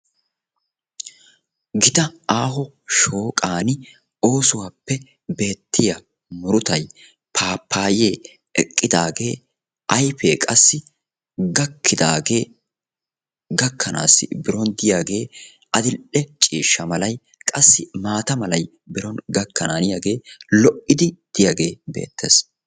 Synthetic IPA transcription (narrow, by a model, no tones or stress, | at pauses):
ɡɪt̪ɐaːɦɔ | ʃo̞ːkʼaːnɪ | o̞ːsʊwaːpːɛ | be̞ːt̪ʰːɪjɐ | mʊɾʊt̪ɐj | pʰaːpʰːaːje̞ː | ɛkʼːɪd̪aːɡe̞ː | ɐjfeːkʼɐsːɪ | ɡɐkʰːɪd̪aːɡe̞ː | ɡɐkʰːɐna̰ːsːɪ̰bɪɾɔnd̪ɪjaːɡe̞ː | ʔɐd̪ɪʔɛt͡ʃʼiːʃːɐmɐlɐj | kʼɐsːɪmaːt̪ɐmɐlɐj | bɪɾɔnɡɐkːɐnaːnɪjaɡe̞ːlɔʔɪd̪ɪd̪̥ɪjaɡe̞ːbḛːt̪ːeːs